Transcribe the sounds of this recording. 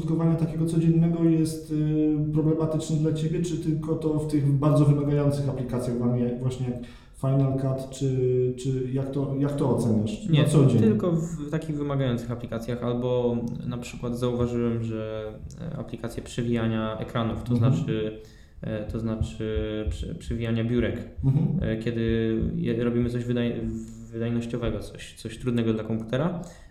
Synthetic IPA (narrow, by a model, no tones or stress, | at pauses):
ut̪kɔvaɲɛt̪akʲeɡɔt̪sɔd͡ʑɛnːɛɡɔjɛst̪pɾɔblɛmat̪ɘt͡ʂnɛd̪lat͡ɕebʲjɛt͡ʂɘt̪ɘlkɔt̪ɔft̪ɘɣbaɾd̪zɔvɘmaɡajɔnt̪sɘxaplʲikat̪sʲjaɣvamʲijavwaɕɲɛjak | fajnalkat̪t͡ʂɘt͡ʂɘjakt̪ɔjakt̪ɔːt̪sɛɲaʂɲnɛt̪sɔd͡ʑɛtɲɘlkɔvt̪akʲiɣvɘmaɡajɔnt̪sɘxaplʲikat̪sʲjaxalbɔnapʂɘkwad̪zauvaʐɘwɛmʐɛ | a̰plʲikat̪sʲjɛpʂɛvʲijaɲaɛ̰kɾanuft̪ɔznat͡ʂɘ | t̪ɔznat͡ʂɘpʂpʂɛvʲijaɲabʲjuɾɛk̩ɦ̩kʲjɛd̪ɘjɛɾɔbʲimɘt̪sɔʑvd̪ajː | ɘd̪ajnɔɕt͡ɕɔvɛɡɔt̪sɔɕt̪sɔɕt̪ɾud̪nɛɡɔd̪lakɔmpu̥t̪ɛɾa